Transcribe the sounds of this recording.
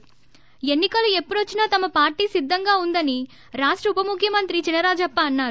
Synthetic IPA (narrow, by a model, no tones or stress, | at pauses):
e̞nːikɐlue̞pːuɽot͡ʃːinɐːt̪ɐmɐpaːɾʈiːsid̪ʱːɐŋɡaːund̪ɐni | ɾaːʂʈɾɐupɐmukʰjɐmɐnt̪ɾit͡ʃinɐɾaːd͡ʒɐpːɐːnːaːɾu